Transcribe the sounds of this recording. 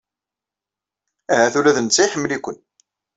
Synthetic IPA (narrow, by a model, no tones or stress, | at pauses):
æɦæθulæðənt͡sːæjħəmːlikʷən